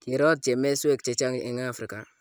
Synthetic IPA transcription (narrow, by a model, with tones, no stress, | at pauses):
ki˨ɾɔ˦t̚t͡ʃe˨me˦swe˦k̚t͡ʃe˨t͡ʃa˦ŋḭ˨ŋa˦˨fɾi˨ka˨